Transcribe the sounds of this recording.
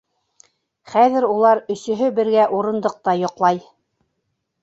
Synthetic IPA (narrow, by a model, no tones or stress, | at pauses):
χæðɘ̆ɾulˠɑɾɵ̆sɵ̆ɦɵbɘ̆ɾɡæʔuɾɤ̆nd̪ɤq̚t̪ɑjŏqlˠɑj